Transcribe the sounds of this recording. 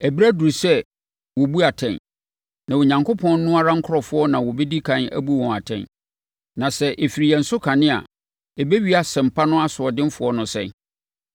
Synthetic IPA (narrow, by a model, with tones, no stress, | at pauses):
ɛ˨bi˦ɾæ˦du˨ɾsɛ˦ | wɔ˨bu˦a˨tʰɛ̰̃˨n | nã˨wo˨ɲã˨ŋkʰo˦pʰɔ̃˦nː˦ʊ̃˦a˦ɾã˦ŋ̩˦kʰʊ˦ɔ˨fʊ˦ɔ˦nã˨wɔ˨bɛ˦di˦kʰã˦næ̰˦bu˦wɔ̃˨a˨tʰɛ̰̃˨n | nã˨sɛ˨ʔe˨fi˨ɾi˨ɛ˨n̩˦sʊ˦kʰã˨nɪ̃˦a̰˨ | e˨be˦ɥi˦a˨sɛ̃˨m̩˨pʰa˦nʊ̃˦a˦sʊ˨ɔ˨dɪ̃˦m˦fʊ˨˦ɔ˦nʊ̃˨sɛ̰̃˦˨